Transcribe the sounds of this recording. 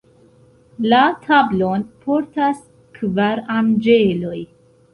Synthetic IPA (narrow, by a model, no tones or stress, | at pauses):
latʰablo̞npʰo̞ɾtas | kvaɾand͡ʒelo̞j